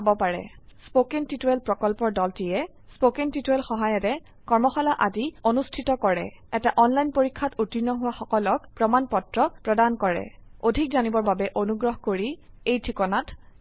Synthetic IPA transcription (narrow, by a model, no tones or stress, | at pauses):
abɔpaɹɛ̰spokentituɛlpɹɔkɔlpɔɹdɔltijɛ | spokentituɛlxɔɦajɔtɛ | kɔɹmɔxalaʔadionustʰitɔkɔɹɛ̰ɛtaʔɔnlajnpoɹikʰːatutinɔɦʊwaxɔkɔlɔkpɹɔmanpɔtɹɔpɹɔdankɔɹɛ̰odʱik̚zanibɔɹbabɛʔonuɡɹɔɦkoɹiejtʰikɔnat